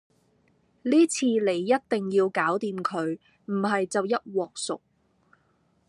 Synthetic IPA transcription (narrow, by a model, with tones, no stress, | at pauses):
liː˥t͡sʰiː˧le˨˩jːɐ˥t̚t̪ɪ˨ŋjiː˧wkaː˨˥wt̪iː˨mkʰɵ˨˧ɥ | m̩˨˩ɦɐ˨jt͡sɐ˨wjɐ˥t̚wɔː˨k̚sʊ̰˨k̚